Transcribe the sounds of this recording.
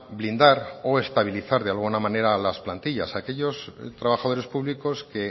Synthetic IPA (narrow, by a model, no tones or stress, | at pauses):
blind̪aɾo̞e̞st̪aβ̞iliθaɾðealɣunamãne̞ɾalasplant̪iʎa̰sake̞ʎo̞st̪ɾaβaxað̞o̞ɾespuβliko̞ske̞